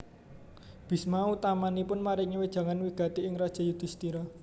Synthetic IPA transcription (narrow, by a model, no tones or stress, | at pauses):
b̥i̤smaut̪amanipʊnmaɾɪŋəwed̥ʒ̥ä̤ŋanwiɡ̥a̤t̪iɪŋrad̥ʒ̥a̤jud̪̥i̤st̪iɾa